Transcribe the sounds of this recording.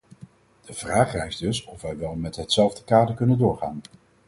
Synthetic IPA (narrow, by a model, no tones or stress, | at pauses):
d̥əv̥raːχrɛjzdɵsɔfʋɛjʋɛlˠmɛtɦətsɛlˠvdəkaːdəɹkɵnəndʊːɹχa̰ːn